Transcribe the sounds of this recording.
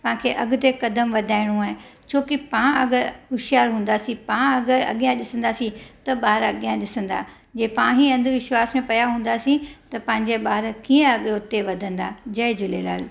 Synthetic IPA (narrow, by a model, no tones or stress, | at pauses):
pɐ̃ãkʰeːʔɐɡʊt̪ekɐd̪əmʋɐd̪ʱaːɪɽ̃ũaːɦɪ̃ | t͡ɕʰoːkɪpãɐɡəɾɦʊʃjaːɾɦũːnd̪asĩpãɐɡəɾɐ̰ɠijãɗɪsə̃nd̪asĩt̪ɐɓaːɦɪɾɐɠijãɗɪsə̃nd̪a̰ː | d͡ʑeːpãːɦiɐ̃nd̪ʱʋɪʃwaːsmẽpɐjaɦũːn̆d̪aːsĩt̪ɐpɐ̃ɦɪ̃ɲd͡ʑeɓaːɦɪɾkiːə̃ɐɠʊt̪eʋɐd̪ʱə̃nd̪ad͡ʑɐɪd͡ʑʊlela̰ːl